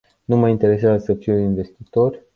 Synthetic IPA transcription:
numajint̪e̞ɾe̞sazəsəfiuinve̞st̪it̪o̞rʲ

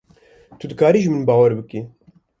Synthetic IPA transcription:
t̪ʰud̪ɨkaːɾiːʒɨmɨnbaːwɛɾbɨki

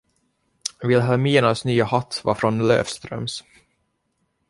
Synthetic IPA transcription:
vɪlɦamiːənasnyːahat̪ːvɑ̰ːfɾɔnlø̰ːfst̪ɾœ̰ms

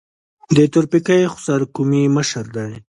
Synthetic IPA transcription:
d̪ət̪ʊɾpikajxʊ̥saɾkumiməʃəɾd̪aj

